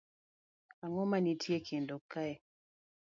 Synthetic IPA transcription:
aŋɔmanitʰjekʰendokːaɛ

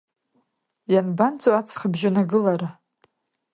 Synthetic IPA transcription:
janbant͡sʰʼoat͡sʰχəbʒɪnaɡɨlaɾa

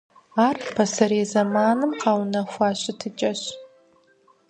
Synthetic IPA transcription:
aːrpʰɐsɐɾezɐmaːnɨmqɑːwnɐxʷɑːɕʼɪtʰɨt͡ʃʼɐɕ

